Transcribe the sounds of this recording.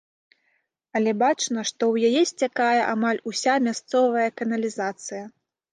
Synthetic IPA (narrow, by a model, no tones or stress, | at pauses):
ɐlʲɛbat͡ʂnɐʂt̪ɔwjajɛsʲt͡sʲakajɛʔamalʲusʲamʲast̪sɔvɐjɐkɐnɐlʲizat̪sɨjɐ